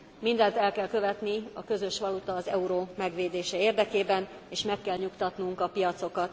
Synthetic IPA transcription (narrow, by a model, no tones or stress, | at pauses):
mind̪ɛnt̪ɛlkɛlkø̞vɛt̪niɒkø̞zø̞ʃʋɒlut̪ɒːzɛuɾoːmɛɡʋeːd̪eːʃɛeːrd̪ɛkeːbɛn | eːʃmɛkːɛlɲukt̪ɒt̪nuŋkɒpijɒt̪so̞kɒt̪̚